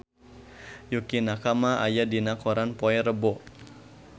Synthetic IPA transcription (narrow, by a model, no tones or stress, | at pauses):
jukinakamaajadinakɔɾanpɔɛɾəbɔ